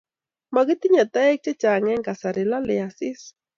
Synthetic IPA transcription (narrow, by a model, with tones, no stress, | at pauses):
ma˨ɡɪ˦t̪ɪ˦ɲa˨t̪ɛ˦k̚t͡ʃɛ˦t͡ʃa˨ŋɛ˦ŋka˨sa˨ɾɪ˨la˦lɪ˨a˨sɪ˦s